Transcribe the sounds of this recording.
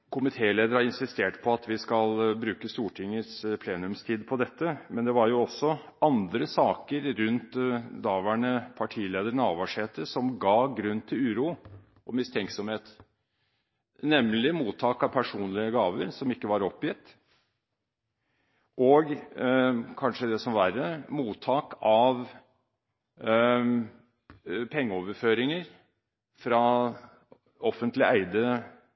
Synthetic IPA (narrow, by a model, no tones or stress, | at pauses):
kʰʊmɪt̪ʰeːleːd̪əɾɑɾɪnsɪst̪eːʈpʰɔɑt̪ʋɪskɑlbɾʉːkəst̪uːʈʰɪŋːəspʰleːnʉmst̪ʰiːd̪pʰɔd̪ɛt̪ːəmɛnd̪ɛʋɑɾjʊɔsːɔ | ɑnd̪ɾəsɑːkəɾɾʉnt̪d̪ɑːʋæːɳəpʰɑʈʰiːleːd̪əɾɳɑːʋɑʂheːt̪əsɔmɡɑːɡɾʉnt̪ʰːɪlʉːɾuː | ʔɔmɪst̪ʰɛŋksɔmheːt̪ | nɛmlɪmuːt̪ʰːɑːkɑʋpʰæʂuːnlɪəɡɑːʋəɾsɔmɪkːəʋɑɾɔpːjɪt̪ː | ʔɔːɡ | kʰɑnʂəd̪ɛsɔmʋæːɾəmuːt̪ʰːɑːkɑʋ | pʰɛŋːəɔːʋəɾføːɾɪŋəɾ | fɾɑ | ɔfːənt̪lɪæɪd̪ə